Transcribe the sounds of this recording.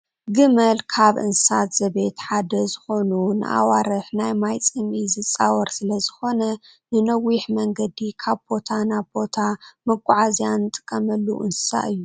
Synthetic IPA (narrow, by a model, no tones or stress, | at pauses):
ɡɨmɐlkʰaβʔɨ̰nsɨsat̪z̥ɐβe̞t̪ħad̪ɐzɨxo̞nunɨ̰ʔa̰waɾɨħnajmajt͡sʼɨmizɨt͡sʼawɐɾsɨlɐzɨxo̞nɐ | nɨnɐwiħmɐŋɡɐd̪ikʰaβbo̞t̪ʰanaβbo̞t̪ʰamɐkʼːuʕazijant̪ʼɨ̥kʼːɐmɐlːṵʔɨnsɨ̥sa̰ʔɨjːu